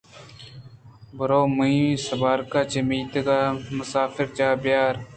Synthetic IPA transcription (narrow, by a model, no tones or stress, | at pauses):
bəɾoːməĩsəbaːɾkaːt͡ʃəmiːt̪ɡaːməsaːfɪɾt͡ʃaːbɪjaːɾ